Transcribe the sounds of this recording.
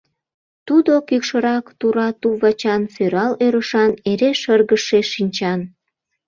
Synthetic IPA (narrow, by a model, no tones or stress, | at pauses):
t̪ud̪okykʃəɾɑkt̪uɾɑt̪uβɑt͡ɕɑnsøɾɑløɾəʃɑneɾeʃərɣəʃeʃinʲt͡ɕɑn